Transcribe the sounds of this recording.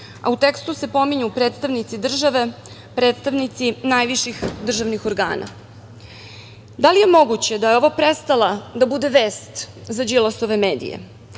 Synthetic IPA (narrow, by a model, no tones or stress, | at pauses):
a̰ut̪e̞kst̪use̞po̞miɲupɾe̞ːt̪st̪aʋnit̪sid̪r̩ʒaʋe̞ | pɾeːt̪st̪aʋnit̪sinaːjʋiʃixd̪r̩ʒaʋnixo̞ɾɡa̰ːna̰ | d̪alije̞mo̞ɡut͡ɕe̞d̪ajeo̞ʋopɾest̪alad̪abud̪e̞ʋeːst̪zad͡ʒilˠaso̞ʋe̞meːd̪ḭjḛ